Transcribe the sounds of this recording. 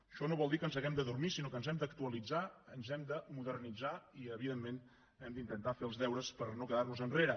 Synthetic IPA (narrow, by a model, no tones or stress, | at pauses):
əʃɔnoβɔlˠd̪ikənzəɣɛmd̪əðurmisinokənzɛmd̪əkt̪uəlid͡zaənzɛmd̪əmuðərnid͡zaiəβiðemːen | ɛmd̪int̪ənt̪afeəlˠzðɛwɾəspəɾnokəðaɾβuzənreɾə